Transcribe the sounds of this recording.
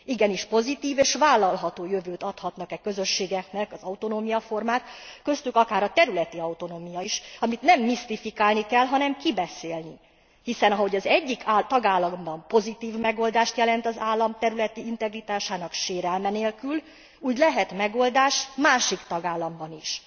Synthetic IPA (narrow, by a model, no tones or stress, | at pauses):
iɡɛniʃpo̞zit̪iːveːʃʋaːlːɒlɦɒt̪oːjøvøːt̪ɒt̪hɒt̪nɒkɛkø̞zø̞ʃːeːɡɛknɛkɒzɒut̪o̞noːmijɒfo̞rmaːt̪kø̞st̪ykɒkaːɾɒt̪ɛɾylɛt̪iɒwt̪o̞noːmijɒiʃɒmit̪nɛmːist̪ifikaːlnikɛlɦɒnɛmkibɛseːlni | hisɛnɒɦo̞ɟɒzɛɟːikʰːt̪ɒɡaːlːɒmbɒmpo̞zit̪iːvmɛɡo̞ld̪aːʃt̪jɛlɛnt̪ɒzaːlːɒmt̪ɛɾylɛt̪iint̪ɛɡrit̪aːʃaːnɒkʃeːɾɛlmɛneːlkyl | uːɟlɛɦɛt̪mɛɡo̞ld̪aːʃmaːʃikt̪ɒɡaːlːɒmbɒniʃ